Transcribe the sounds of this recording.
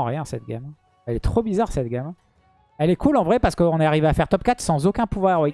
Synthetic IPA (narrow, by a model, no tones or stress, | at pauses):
ʁjɛ̃sɛt̪̚ɡʲa̰m | ɛlɛt̪χobizaʁsɛt̪ɡʲam | ɛlɛkʰulɑ̃vʁɛpaʁsə̥kəɔ̃nɛaʁiveafɛʁt̪ɔpkat̪χsɑ̃zokʲɛ̃puvwaʁ